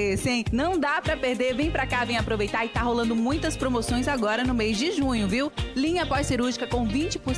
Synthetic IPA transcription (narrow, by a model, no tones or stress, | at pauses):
sĩnɐ̃w̃d̪apɾɐpeɾd̪eɾvẽj̃pɾakavẽj̃apɾovejt̪aɾɪt̪aɦolɐ̃nd̪ʊmũj̃t̪ɐspɾomosõj̃zaɡɔɾɐnʊmejzd͡ʒɪʒũɲʊviwlĩɲɐpɔsiɾuɾʒikɐkõw̃vĩt͡ʃɪ̥pʊɾ